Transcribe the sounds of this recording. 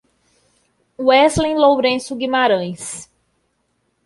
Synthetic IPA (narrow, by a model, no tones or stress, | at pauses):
uɛslẽlowɾẽsʊɡĩmaɾɐ̃j̃s